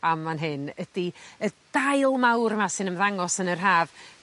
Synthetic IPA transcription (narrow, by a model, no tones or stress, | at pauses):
amːanɦɪnədiəd̥ajlˠmawɾmasɨnəmðaŋɔsənər̥ɦaːv